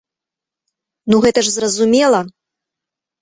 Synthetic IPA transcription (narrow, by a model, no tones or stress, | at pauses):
nuɣɛt̪ɐʂzrɐzumʲɛlˠɐ